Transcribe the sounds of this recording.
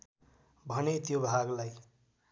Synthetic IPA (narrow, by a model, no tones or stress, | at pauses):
bʱʌnet̪jobʱaɡlaj